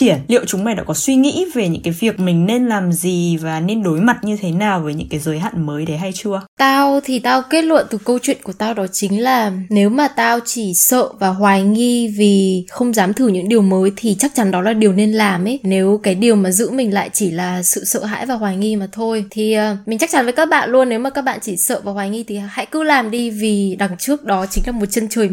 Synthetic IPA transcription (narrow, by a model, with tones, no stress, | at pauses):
i˧˩ənlḭ˧˨əwt͡ɕʊ˨˦ŋ͡mma˨˩jɗ̰a̰˧˥kɔ˨˦swi˧ŋḭ˧˥ve˨˩ɲɨ̰˧˥ŋkaː˨˦jvi˨˩ək̚mï˨˩ŋ̟ne˧nlaː˨˩mzi˨˩vaː˨˩ne˧nɗo˨˦jma˨˩t̚ɲɨ˧t̪ʰe˨˦naː˨˩wvəː˨˦jɲɨ̰˧˥ŋkaː˨˦jzəː˨˦jɦa̰ː˧˨nməː˨˦jɗe˨˦ɦa˧jt͡ɕɨ˧ət̪aː˧wt̪ʰi˨˩t̪aː˧wke˦˥t̚lwə̰˧˨nt̪ɨ˨˩kə˧wt͡ɕwḭ˧˨nku˧˩ət̪aː˧wɗɔ˨˦t͡ɕï˨˦ŋ̟laː˨˩ne˨˦wmaː˨˩t̪aː˧wt͡ɕi˧˩sə̰ː˧˨vaː˨˩ɦwaː˨˩jŋi˧vi˨˩xə˧wŋ͡mzaː˨˦mt̪ʰɨ˧˩ɲɨ̰˧˥ŋɗi˨˩əwməː˨˦jt̪ʰi˨˩t͡ɕa˦˥k̚t͡ɕa˨˦nɗɔ˨˦laː˨˩ɗi˨˩əwne˧nlaː˨˩mʔe˨˦ne˨˦wkaː˨˦jɗi˨˩əwmaː˨˩zɨ̰˧˥mï˨˩ŋ̟la̰ː˧˨jt͡ɕi˧˩laː˨˩sɨ̰˧˨sə̰ː˧˨ɦa̰ː˧˥jvaː˨˩hwaː˨˩jŋi˧maː˨˩t̪ʰo˧jt̪ʰi˨˩ʔəː˨˩mi˨˩ŋ̟t͡ɕa˦˥k̚t͡ɕa˨˦nvəː˨˦jkaː˦˥k̚ɓa̰ː˧˨nlu˧ənːe˨˦wmaː˨˩kaː˦˥k̚ɓa̰ː˧˨nt͡ɕi˧˩sə̰ː˧˨vaː˨˩waː˨˩jŋi˧t̪ʰi˨˩ha̰˧˥jkɨ˧˥laː˨˩mɗi˧vi˨˩ɗa˨˩ŋt͡ɕɨ˦˥ək̚ɗɔ˨˦t͡ɕï˨˦ŋ̟laː˨˩mo˨˩t̚t͡ɕə˧nt͡ɕəː˨˩j